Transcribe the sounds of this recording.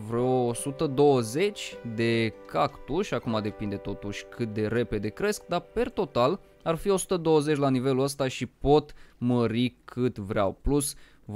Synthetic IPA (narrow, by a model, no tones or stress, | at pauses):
vɾoːsut̪əd̪o̞wəze̞t͡ʃʲd̪e̞kakt̪uʃʲakumad̪e̞pind̪e̞t̪o̞t̪uʃʲkʰɨt̪̚d̪e̞ɾe̞pe̞d̪e̞kɾe̞sk̚d̪ape̞rt̪o̞t̪al | arfio̞su̥t̪əd̪o̞wəze̞t͡ʃʲlanive̞luəst̪aʃipo̞t̪məɾikʰɨt̪vɾeawplus | v